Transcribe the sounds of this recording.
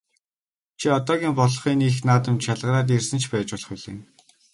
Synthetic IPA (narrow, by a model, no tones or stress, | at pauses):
t͡ɕʰiɔt̪ɔːɣʲiːmpɔɮχiːniːxnaːt̪ə̆mt͡ɕ̪ʃaɮʁə̆ɾaːt̪̬ersɘ̆nt͡ɕʰpæːt͡ɕɔɮɞ̥̆χʊɮḛːn